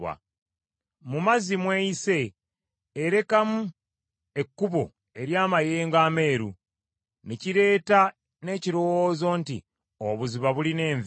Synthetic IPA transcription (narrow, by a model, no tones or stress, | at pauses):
a̰ | mumazimwe̞ise̞ː | ɾe̞kamu | e̞kːuβo̞̰ | e̞ɾjaːmajeːŋɡaːme̞ːɾṵ | neciɾe̞ːta | ne̞ːciɾowozo̞ntḭ | oβuziβaβuline̞ːɱv